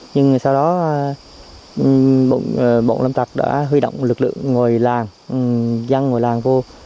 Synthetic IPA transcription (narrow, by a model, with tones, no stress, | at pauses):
ɲɨ˧ŋsa˧wɗɔ˨˦˨ | ɓo̰˧˨˩ɓo̰˧˨nlə˧mt̪a˨˩k̚ɗa̰ː˧˥ɦwi˧ɗo̰˧˨wŋ͡mlɨ˨˩k̚lɨ̰˧˨əŋːo˨˩jlaː˨˩ŋ˨ | za˧ŋːo˨˩jlaː˨˩ŋvu˧ə